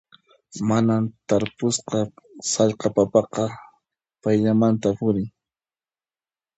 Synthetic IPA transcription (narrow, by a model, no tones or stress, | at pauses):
manamt̪aɾpʊsqɑsɑʎqɑpapɑqɑ | pajʎamant̪apʊɾɪŋ